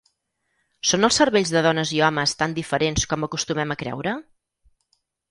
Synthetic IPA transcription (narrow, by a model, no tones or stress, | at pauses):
sonəlˠsəɾβeʎzðəðɔnəziɔməst̪and̪ifəɾenskɔməkust̪umɛməkɾɛ̰wɾə